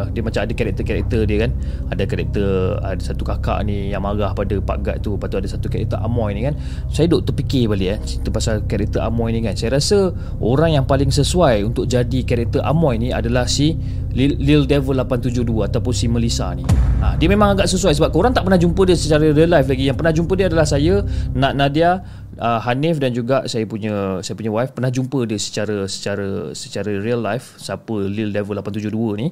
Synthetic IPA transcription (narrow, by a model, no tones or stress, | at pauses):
diəmat͡ʃamadakaɾɛk̚t̪əkaɾɛ̰k̚t̪ədiəkan | adakaɾɛ̰k̚t̪əradasat̪ukaka̰ʔnijaŋmaɣahpadapa̰ɡa̰ʔ̪̚t̪upat̪uadasat̪ukaɾɛ̰k̚t̪əɾʔa̰mɔjnĩkan | sajadoʔt̪upikɪbalikant͡ʃit̪əpasalkaɾɛk̚t̪əɾʔa̰mɔjnikansajaɾasə | oɾaŋjaŋpalɪŋsəsuajunt̪ʊk̚d͡ʒadikaɾɛk̚t̪ərʔa̰mɔjnĩa̰dalahsi | lilildɛvəlːapant̪ud͡ʒʊhduəat̪awpʊnsiməlisa̰niã̰diəmẽmãŋaɡaʔsəsuajsəbap̚kəoɾaŋt̪aʔpərnahd͡ʒumpədiəsət͡ʃaɾəɾiəlajflaɡijaŋpərnahd͡ʒumpədiəadalahsajənãʔnadia | əɦanɪfdand͡ʒuɡaʔsajəpuɲəsajəpuɲəwajfpərnahd͡ʒumpədəsə̥t͡ʃaɾəsə̥t͡ʃaɾəsət͡ʃaɾəriəlːajfsapəlildɛvəlapant̪ud͡ʒʊɦduəni